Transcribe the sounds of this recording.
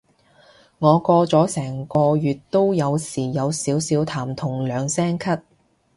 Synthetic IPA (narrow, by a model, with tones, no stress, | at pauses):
ŋɔː˨˧kɔː˧t͡sɔː˨˥sɛː˨˩ŋkɔː˧jyː˨t̚t̪o˥wjɐ˨˧wsiː˨˩jɐ˨˧wsiː˨˥wsiː˨˥wt̪ʰaː˨˩mt̪ʰʊ˨˩ŋlœː˨˧ŋsɛː˥ŋkʰɐ˥t̚